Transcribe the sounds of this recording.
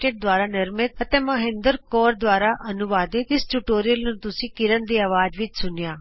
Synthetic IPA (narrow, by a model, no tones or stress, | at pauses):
ʈeʈ̚d̪ʋaːɾanɪɾmɪt̪̚ɐt̪ẽmɐɦẽnd̪əɾkɔːɾd̪ʋaːɾaʔɐnuʋaːd̪it̪ɪsʈuʈoːɾijəlnut̪usĩkiɾənd̪iɐʋaːd͡ʒʋit͡ʃsunjaː